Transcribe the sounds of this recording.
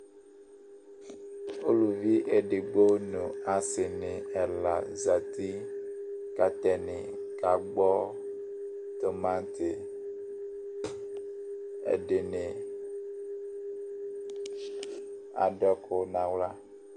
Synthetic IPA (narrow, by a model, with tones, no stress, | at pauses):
o˦lu˨vi˦ʔe˨ɖe˨ɡ͡bo˦nũ˨a˨se˨nẽ˨ɛ˨la˨za˨t̪i˦ | ka˦t̪ɛ˨nḛ̃˨ | ka˨ɡ͡bɔ˦ | t̪o˨mã˦t̪e˨ | ḛ˨ɖe˨nẽ˨ | a̰˨ɖɔ˦kʰo˦nã˨wla˦